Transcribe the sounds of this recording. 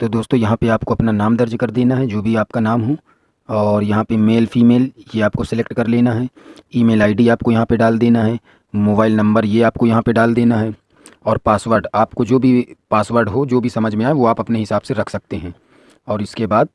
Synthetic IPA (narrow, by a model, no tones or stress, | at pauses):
t̪oːd̪oːst̪õjɐɦãpeaːpkoɐpnanaːmd̪ɐɾd͡ʒkɐɾd̪eːnaɦɛd͡ʒoːbʱiaːpkanaːmɦũ | ɔːɾjɐɦãpemeːlfiːmeːljeaːp̚kosɪlekʈkɐɾleːnaɦɛiːmeːlaːɪɖiaːp̚kojɐɦãpeɖaːld̪eːnaɦɛ | moːbaːɪlnɐ̃mbəɾjeaːp̚kojɐɦãpeɖaːld̪eːnaɦɛ | ɔːɾpaːsʋəːɾɖaːpkod͡ʒoːbʱipaːsʋəːɾɖɦod͡ʒoːbʱisɐməd͡ʒʱmẽaːeʋoaːpɐpneɦɪsaːbseɾɐkʰsɐk̚t̪eɦɛ̃ː | ɔːɾɪskebaːd̪̚